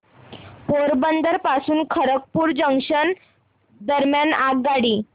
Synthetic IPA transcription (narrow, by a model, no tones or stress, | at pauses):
poɾbənd̪əɾpasuːnkʰəɾək̚puːɾd͡ʑəŋkʂən | d̪əɾmjanaɡːaɽiː